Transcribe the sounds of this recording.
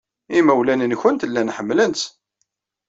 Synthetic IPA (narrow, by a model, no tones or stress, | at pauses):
imæwlænənçənt̪əlːænħəmːləns